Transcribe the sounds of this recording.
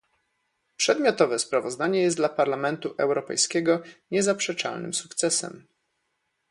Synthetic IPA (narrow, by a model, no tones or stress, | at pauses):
pʂɛd̪mʲjɔt̪ɔvɛspɾavɔzd̪aɲɛjɛsd̪lapaɾlamɛnt̪uʔɛwɾɔpɛ̰jskʲɛɡɔɲɛzapʂɛt͡ʂa̰lnɘ̰msukt̪sɛsɛ̰m